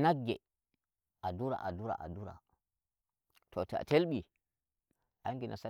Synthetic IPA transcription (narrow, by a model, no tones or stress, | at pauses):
naɡːe | ʔaduɾa̰ʔaduɾa̰ʔa̰duɾa̰ | tʰota̰telɓi | ʔaŋɡinʔasa